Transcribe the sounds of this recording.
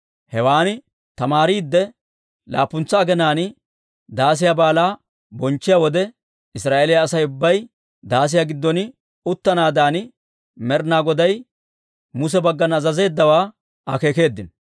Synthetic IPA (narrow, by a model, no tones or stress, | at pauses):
hɛwaːnɪ | t̪ɐmaːɾiːd̪ːɛ | la̰ːpːʊnt͡sːɐːɡɛnaːn | d̪aːs̬ɪjabaːlaː | bɔnt͡ʃːɪjawɔd̪ɛ | ɪsɾaːʔelɪjaːsɐjʊbːɐj | d̪aːs̬ɪjaɡɪd̪ːɔn | ʊt̪ːɐnaːd̪aːn | mɛɾnaːɡɔd̪ɐj | mʊs̬ɛbɐɡːɐnɐzɐze̞ːd̪ːɐwaː | ɐke̞ːke̞ːd̪ːɪn